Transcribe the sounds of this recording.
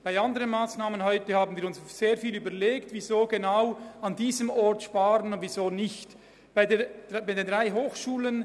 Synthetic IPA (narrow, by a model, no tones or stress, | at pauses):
b̥aɪɑndəʁənmaːsnaːmənɦɔʏtəhaːbn̩viːɾʊnsz̥eːɐfiːlyːbɐleːktvizoːɡenaʊɑndiːzəmɔɾtʃpaːɾənʊndviːzoːnɪçt | b̥aɪde̥baɪdeːndʁaɪɦoːxʃuːlən